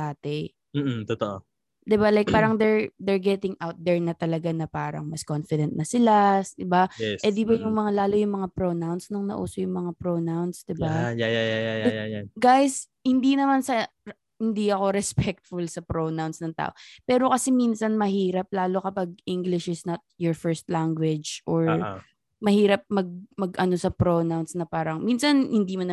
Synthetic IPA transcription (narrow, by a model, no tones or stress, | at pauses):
aːt̪ɛ | m̩ːt̪ot̪oʔo | d̪ɪbalajk̚paːɾɐŋd̪ɛɹd̪ɛɹɡɛt̪ɪŋʔawt̪̚d̪ɛɹnɐt̪ɐlɐɡanɐpaːɾɐ̰ŋmɐskonfɪd̪ɛnt̪̚nɐsɪlasd̪ɪbajɛʔɛd̪iːbɐjʊŋmɐŋalaːlojʊŋmɐŋapɾonawnsnʊŋnɐ̰ʔṵːsojʊŋmɐŋapɾonawnsd̪ɪbajajajajajjajaɡajs | hɪnd̪inɐmansɐ | hɪnd̪iɐko̞ɾɛspɛk̚t̪fʊlsɐpɾonawnsnɐŋt̪a̰ːʔopɛːɾo̞kɐsɛminsɐnmɐhiːɾɐp̚laːlo̞kɐpaɡ̚ʔiŋɡlɪʃɪsnɐt̪̚jɔɹfɛɹst̪laŋɡwɛd͡ʒʔoɹ | mɐhiːɾɐp̚mɐɡ̚mɐɡʔɐno̞sɐpɾonawnsnɐpaːɾɐŋminsɐnhɪnd̪imɐn